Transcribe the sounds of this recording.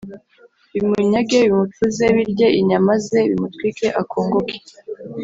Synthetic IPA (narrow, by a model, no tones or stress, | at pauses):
βimuɲaɡe̞βimutuze̞βiɾɟeʔiɲamaze̞βimutwike̞ʔakʰoːŋɡokʰe̥